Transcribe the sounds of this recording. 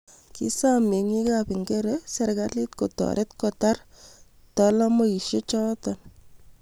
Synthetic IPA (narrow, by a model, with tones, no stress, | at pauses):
kḭsame˨ŋi˦kapi˨ŋɡeɾesɛ˨ɾkali˦t̚ko˨tɔ̰ɾʔe˦tkɔtar | tɔlɔ˦mo˨i˨ʃe˦t͡ʃɔ˦tɔn